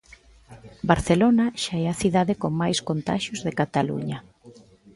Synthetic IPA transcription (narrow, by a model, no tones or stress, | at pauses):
baɾθelonaʃaɛaθiðaðekoŋmajskont̪a̰ʃjʊzðekat̪alṵɲɐ